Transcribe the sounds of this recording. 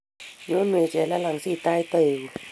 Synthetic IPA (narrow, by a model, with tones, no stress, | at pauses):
ɲo˧˦nmɯ˨˩ə˨t͡ɕɛː˨˦la˧la˨˦ŋsiː˧˩t̪aː˧˨jt̪ə˧˩˨